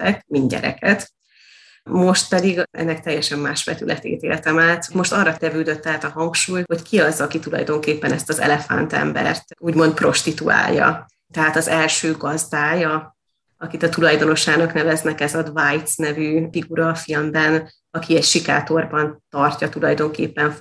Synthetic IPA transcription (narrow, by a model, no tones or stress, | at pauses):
t̪ɛkminɟɛ̰ɾɛ̰kɛt̪ | mo̞ʃt̪̚pɛd̪iɡɛ̰nːɛk̚t̪ɛjːɛʃɛmːaːʃbɛt̪ylʔɛt̪ḛːt̪ḛːlɛt̪ɛmaːt̪mo̞ʃt̪ɒrːɒkɛvyld̪ø̞t̪ːɛɦat̪ɒɦɒŋkʃuːjho̞ckiɒzɒkit̪ulɒ̰jd̪o̞ŋkeːpːɛnɛst̪ɒzɛ̰lɛfa̰nt̪ɛ̰mbɛ̰rt̪uːɟmo̞nt̪̚pro̞ʃt̪it̪ua̰ːljːɒ̰ | t̪ɛɦaːt̪ɒzɛlʃøːɡɒzd̪aːjɒ | ɒkit̪ɒt̪ulɒjd̪o̞no̞ʃaːnɒknɛvɛznɛkɛzɒd̪vajt̪snɛvyfiɡuɾɒfilmbɛn | ɒkiɛcʃika̰ːt̪o̞rbɒnt̪ɒrcɒt̪ulɒjd̪o̞ŋkḛːpːɛɱ